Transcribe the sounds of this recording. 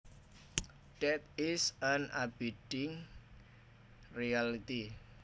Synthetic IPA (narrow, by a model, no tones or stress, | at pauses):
ɖ̥ɛt̪̚ɪsanʔabid̥ɪŋ | rialit̪i